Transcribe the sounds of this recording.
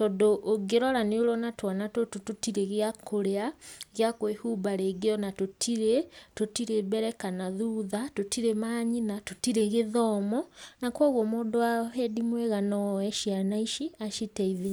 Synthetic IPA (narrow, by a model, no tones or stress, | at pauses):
tɔndoʔːɡeɾɔɾaneoɾɔnatwanatotototiɾeɣeakʰoɾeaɣeakoehubaɾeɡeɔnatotʰiɾetotiɾeβɛɾɛkanaðuðatotiɾemaːɲinatotiɾeɣeðɔːmɔnakwɔɣwɔmoːdoahedimwɛɣanɔɛʃianaiʃiaʃitɛiðe